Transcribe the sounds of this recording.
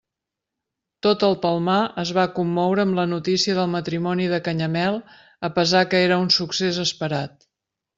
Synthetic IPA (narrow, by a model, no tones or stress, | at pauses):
t̪ot̪əlˠpəlˠmaəzβakumːɔwɾəːmlənut̪isiəðəlˠmət̪ɾimɔniðəkəɲəmɛlˠ | əpəzakəeɾəunsuksezəspəɾat̪̚